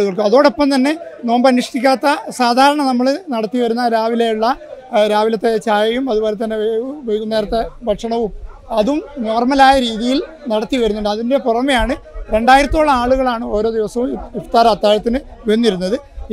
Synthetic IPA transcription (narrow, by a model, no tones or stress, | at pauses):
ɭuɣɐɭkɨɐðo̞ːɽopːɐmt̪ɐnːe̞no̞ːmbɐnːiʂʈikʲːaːt̪ːɐsaːd̪ʱaːɾɐɳɐnɐmːɐɭnɐɽɐt̪ːiʋɐɾunːɐɾaːʋilejuɭːɐɾaːʋilɐt̪ːet͡ɕaːjɐjumɐðubo̞ːle̞t̪̬ːɐnːe̞ʋejɣumeːrt̪ːɐbʱɐʈʂɐɳɐʋumɐðumno̞ːrmɐlaːjɐɾiːðijil | nɐɽɐt̪ːiʋɐɾunːuɳɖɨɐðinde̞purɐmɐjaːɳɨɾe̞ɳɖaːjiɾɐt̪ːoːɭːɐaːɭuɣɐɭaːɳɨo̞ːɾo̞ːd̪iʋɐsɐʋumift̪aːɾɐmɐt̪ːaːjɐt̪ːinɨʋenːiɾunːɐðɨ